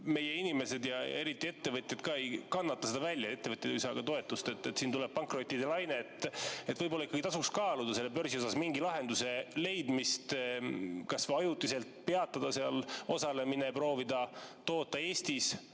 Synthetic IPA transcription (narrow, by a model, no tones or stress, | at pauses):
me̞je̞inimese̞d̪jɑeɾit̪ːˑie̞t̪ːe̞vɤt̪ʲjɑd̪̥̚kɑejkɑnːɑt̪ːɑse̞d̪ɑvælʲjɑet̪ːevɤt̪ʲjed̪ujsɑɡ̥ɑt̪o̞e̞t̪ːˑust̪et̪ːˑet̪siːnt̪uleb̥̚pɑŋkro̞t̪ʲːˑid̪elɑjneːt̪ːet̪ːvɤjbolːɑikːɑɡ̥it̪ɑsukskɑːlud̪̥ɑse̞lːep̬ø̞rsio̞sɑsmiŋɡilɑɦe̞nd̪use̞le̞jd̪mist̪ | kɑsvɑjut̪ːˑise̞lt̪pe̞ɑt̪ːˑɑd̪̥ɑseɑlo̞sɑle̞minepro̞ːvid̪̥ɑt̪o̞ːt̪ˑːɑe̞ːst̪is